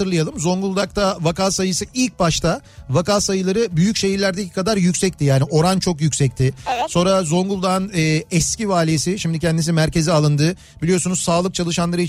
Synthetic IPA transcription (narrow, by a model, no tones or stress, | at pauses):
ɯɾlˠajalˠɯmzo̞ŋɡulˠd̪ak̚t̪ʰavakaːsajɯsɯilʲc̚baʃt̪avakasajɯlˠaɾɯbyjycʃe̞jiɾlʲæɾd̪ecʰi̥kʰad̪aɾjycsɛc̚t̪ijaːniʔo̞ɾant͡ʃʰo̞kjycʲsɛc̚t̪ʰɪso̞nɾazo̞ŋɡulˠd̪anɯːɛscivaːlʲiesiʃimd̪icʰɛnd̪is̬imæɾce̞zialˠɯnd̪ɯ | b̥ilʲijo̞sunuzsaːlˠɯk̚t͡ʃʰalˠɯʃanlˠaɾɯi